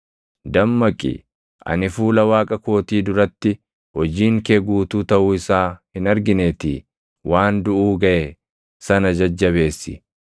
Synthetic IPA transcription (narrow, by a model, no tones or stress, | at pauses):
d̪ɐmːɐkʼːḭ | ʔɐ̰nɪfuːlɐwaːkʼɐko̞ːt̪iːd̪ʊɾɐt̪ːɪ | hɔd͡ʒiːŋkeːɡuːt̪uːt̪ɐʔuːɪsaːhɪnɐɾɡɪneːt̪ḭː | wʔaːnd̪ʊʔuːɡɐʔe | sɐnɐd͡ʒɐd͡ʒːɐβe̞ːsːɪ̰